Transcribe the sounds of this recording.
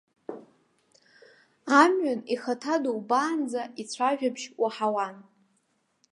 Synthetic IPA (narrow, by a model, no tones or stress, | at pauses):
amɥaniχatʰadowbaːnd͡zait͡sʷʰaʒᶣabʃwaħawan